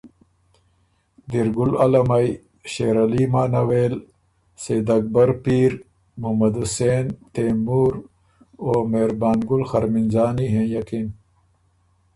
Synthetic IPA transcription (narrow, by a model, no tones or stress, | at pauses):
d̪iɾɡulɐlɐmaj | ɕeɾɐlimaːnɐweːl | seːd̪ɐɡ̚bɐɾpiːɾ | mumɐd̪useːnt̪eːmuːɾ | oːmeːɾbaːnɡulxɐɾmind͡ʑaːniɦẽjɐkin